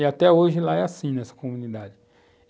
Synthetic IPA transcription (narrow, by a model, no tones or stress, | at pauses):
ɪat̪ɛoʒɪlaɛasĩnɛsɐ̥komũnid̪ad͡ʒɪ